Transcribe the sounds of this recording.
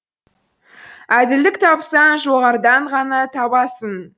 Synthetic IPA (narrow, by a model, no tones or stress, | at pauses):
æd̪ɪld̪ɪkt̪ʰɑpsɑnʒo̞ʁɑɾd̪ɑɴʁɑnɑt̪ʰɑbɑsən